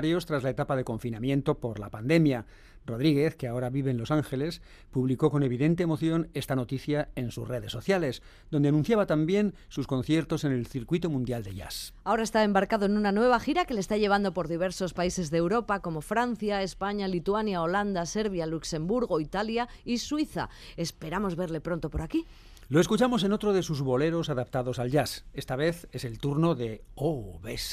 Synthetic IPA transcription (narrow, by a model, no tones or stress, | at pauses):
ɾjo̞st̪ɾazlae̞t̪apaðe̞ko̞ɱfinamje̞nt̪o̞po̞ɾla̰pand̪e̞mja | ro̞ð̞ɾiɣ̞e̞θkeao̞ɾaβiβe̞nlo̞saŋxe̞le̞s | puβliko̞ko̞ne̞β̞iðe̞nt̪e̞ːmo̞θjo̞ne̞st̪ano̞t̪iθjae̞nsṵsre̞ð̞esːo̞θjale̞s | d̪o̞nd̪e̞anũn̟θjaβat̪ambje̞n | susko̞nθje̞ɾt̪o̞se̞ne̞lθiɾkwit̪omũnd̪jald̪eʝa̰sao̞ɾae̞st̪ae̞mbaɾkaðoenunanwe̞β̞axiɾake̞lest̪aʎe̞β̞and̪o̞po̞ɾðiβ̞e̞ɾso̞spaise̞zðeːwɾo̞pako̞mo̞fɾan̟θjaespaɲalit̪uanjao̞land̪ase̞ɾβjalukse̞mbuɾɣoit̪alja | iswiθa̰ | espe̞ɾamo̞zβe̞ɾle̞pɾo̞nt̪o̞po̞ɾaki | lo̞e̞skut͡ʃamo̞s̬e̞no̞t̪ɾo̞ðe̞suzβo̞le̞ɾo̞saðap̚t̪aðo̞salʝase̞st̪aβe̞θe̞se̞lt̪uɾno̞ðeoβes